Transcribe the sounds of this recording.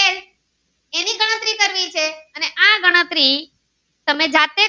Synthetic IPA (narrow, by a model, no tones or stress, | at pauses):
e | eniɡəɽ̃ət̪ɾikəɾʋit͡ʃʰeəneʔaɡəɽ̃ət̪ɾi | t̪əmed͡ʒat̪e